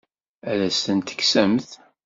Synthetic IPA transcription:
ælæst̪ənt̪ə̥ksæmθ

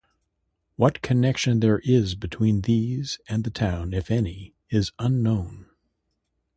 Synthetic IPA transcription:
wʌt̚kʰɨnɛkʃɨ̃nðə˞ʔɪzbɨtʰw̥ĩnðizɨ̃nðɨtʰãʊ̃nɪfɛni | ɪzə̃nõʊ̃n

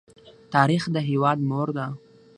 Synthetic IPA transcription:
t̪ɑɾixd̪əɦewɑd̪moɾd̪a

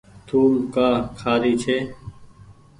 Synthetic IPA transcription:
t̪ʰuːlkaːkʰaːɾiːt͡ʃʰeː

